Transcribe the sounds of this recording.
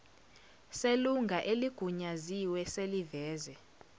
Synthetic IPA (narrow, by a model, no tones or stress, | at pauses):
seluŋɡʱaʔeliɡ̥ʱuɲaziwɛselivɛːzɛ